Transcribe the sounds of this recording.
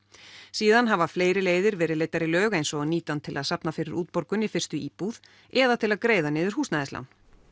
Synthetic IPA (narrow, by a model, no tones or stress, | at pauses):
siːðanɦavafleːjɾɪleːjðɪɾvɛːɾɪðleːjt̪aɾɪlœːɣejnsɔɣaniːt̪ant̪ʰɪlʔaðsapnafɪɾɪɾʔuːt̪̚pɔɾkʏnɪfɪr̥t̪ʏiːpuð̥ | ɛðat̪ʰɪlaðkɾeːjðanɪːðʏɾ̥huːsnaðɛsla̰wn